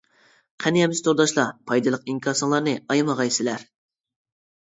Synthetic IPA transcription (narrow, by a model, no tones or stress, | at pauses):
qʰɛnijɛmɪst̪ʰoɾd̪ɑʃlˠɑpʰɑjd̪ɨlˠəq̚iŋkʰʲɑsɨŋlˠɑɾnɨɑjɑmɑʁɑjsɪlæɾ